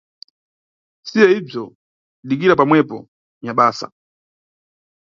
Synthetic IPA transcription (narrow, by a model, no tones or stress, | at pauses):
sijɛib͡ʐɔ | ɗik̬iɾapamwɛpɔ | ɲaɓaːsa̰